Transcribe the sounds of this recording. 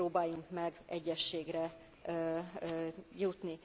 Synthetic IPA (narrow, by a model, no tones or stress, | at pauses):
oːbaːjuŋkmɛɡʔɛɟːɛʃːeːɡɾɛ | jut̪ni